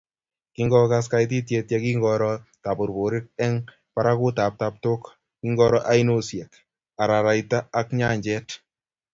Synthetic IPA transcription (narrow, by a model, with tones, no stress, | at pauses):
kiŋɡɔka˦s̬ka˦jt̬i˦t̬je˧tjaki˦ŋɡɔ˧ɾɔta˨po˨ɾbo˨ɾɪ˦t̚ɛ˦ŋ | paɾaku˦ta˨p̚ta˨p̚to˦k | kiŋɡɔ˧ɾɔ˦ʔa˦inosjɛ˨k | a˨ɾa˨ɾa˨jta˦a˦kɲa˦ɲd͡ʒɛ˦t